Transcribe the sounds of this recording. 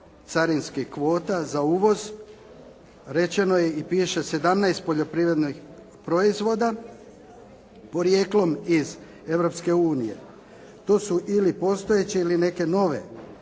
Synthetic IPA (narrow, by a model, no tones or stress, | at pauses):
t̪saɾinskikʋo̞ːt̪azauːʋo̞z | ɾe̞t͡ɕe̞no̞je̞ipiːʃe̞se̞d̪amnajst̪̚po̞ʎo̞pɾiʋɾe̞d̪nix | pɾo̞izʋo̞d̪a | po̞ɾje̞ːklˠo̞miz | e̞ʋɾo̞pske̞uːnije̞̰ | t̪o̞ːsuʔilipo̞st̪o̞je̞t͡ɕeiline̞ke̞no̞ʋe̞̰